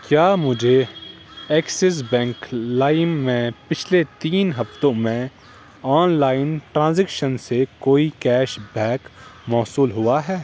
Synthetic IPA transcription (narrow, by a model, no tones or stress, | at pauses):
kjaːmʊd͡ʒʱe | ɛːksɪs̬bɛ̃ːŋklaːɪmːẽpɪt͡ʃʰlet̪iːnɦɐft̪õmẽ | ɔːnlaːɪnʈɾãːzɛkʃənsekoːikɛːʃbʱɛːkmɔːsuːlɦʊaɦɛː